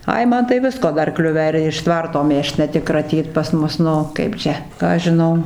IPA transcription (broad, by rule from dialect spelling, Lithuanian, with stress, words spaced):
ˈɐɪ ˈmɐn tɐɪ ˈʋʲɪskoː ˈdɐr ˈklʲʊʋʲæː ɪr ɪʃ ˈtʋɐrtoː ˈmʲeːʃt nʲɛ ˈtʲɪk krɐˈtʲiːt pɐs ˈmʊs ˈnʊ ˈkɐɪp t͡ʃʲɛ ˈkɑː ɐʃ ʒʲɪˈnɐʊ